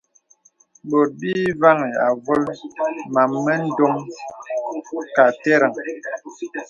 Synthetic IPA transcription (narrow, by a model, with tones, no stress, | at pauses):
bo˨t̚biː˦va˦ŋi˨a˨vo˦lma˨mːə˦n̩˦do˦m | ka˨tɛ˦ɾə˨ŋ